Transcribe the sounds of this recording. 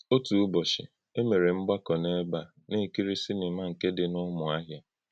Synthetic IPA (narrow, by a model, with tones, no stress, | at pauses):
o˦tu˨u˦bɔ˨ʃɪ̰˨ | e˦me˨ɾe˨m̩˦ɡ͡ba˦kɔ˨ne˦ba˦˨ | ne˦˨ki˦ɾi˦si˦nɪ˨ma˦ŋ̩˨ke˦dɪ˦nʊ˦mʊ˨a˦ɦja˦